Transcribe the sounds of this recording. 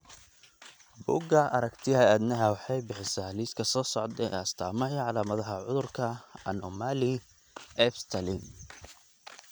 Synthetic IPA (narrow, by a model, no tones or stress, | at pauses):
bṵːɡɐɐ̰ɾɐkt̪ʰɪɦɐaːd̪nɐɦɐwɑħɑjbɪħɪsaliːskʰɐsɔːsɔʕd̪ɛɛ̰ɐst̪ʰaːmɐɦɛʕɑlaːmɐðɐɦɐʕʊðʊrkʰɐɐnɔmaːlɪ | ɛfst̪ʰɐlin